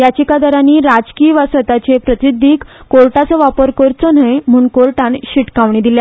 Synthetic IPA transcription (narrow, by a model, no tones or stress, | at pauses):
jat͡ɕikad̪əɾaniːɾad͡zkiʋasʋət̪at͡ɕepɾət̪id̪ʱːiːkkolʈat͡səʋapəɾkəɾt͡sɔnəjm̤uːnkolʈãnɕiʈkaʋɳid̪ilja